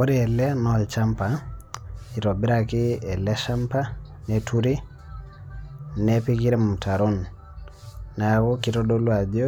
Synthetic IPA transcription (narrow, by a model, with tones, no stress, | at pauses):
o˦ɾi˦ɛ˨lɛ˦nɔlt͡ʃampa˨ | i˨ɾɔ˨bi˦ɾaki˦ɛ˨lɛ˦ʃampa˦ | nɛtʰu˦ɾi˦ | nɛpi˦ki˦ɾɛ˦mu˨tʰa˨ɾo˦n | a˨wo˦ki˨ɾɔdolwa˨d͡ʒo˦